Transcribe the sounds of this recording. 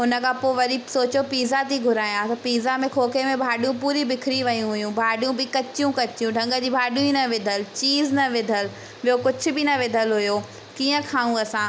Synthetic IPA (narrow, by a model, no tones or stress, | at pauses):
ɦʊnə̆kʰãpoʋɐɾisoːt͡ɕopiːzat̪ʰiɡʱʊɾaːjãt̪ɐpiːzamẽkʰoːkemẽbʱaːɗijũpuːɾibɪkʰɪɾiʋɐjũɦʊjũbʱaːɗijũbɪkɐt͡ɕijũkɐt͡ɕjũɖʱɐ̃ŋɡəd͡ʑiːbʱaːɗjũinɐʋɪd̪ʱəlt͡ɕiːznɐʋɪd̪ʱəl | ʋijokʊd͡ʑʱʊ̆bɪnɐʋɪd̪ʱəlɦʊjoː | kiːə̃kʰaːũɐsãː